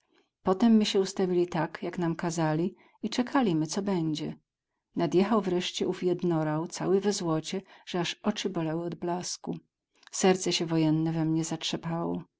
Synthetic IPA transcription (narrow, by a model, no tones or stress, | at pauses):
pɔt̪ɛmːɘɕɛust̪avʲilʲit̪akjaknamkazalʲi | it͡ʂɛkʰalʲimɘt̪sɔbɛɲd͡ʑɛ | nad̪jɛxawvɾɛʂt͡ɕɛufjɛd̪nɔɾawt̪sa̰wɘvɛzwɔt͡ɕɛʐ̥ɛaʂɔt͡ʂɘbɔlɛwɪɔd̪blasku | sɛɾt̪sɛɕɛvɔjɛnːɛvɛmɲɛzatʂɛpawɔ̰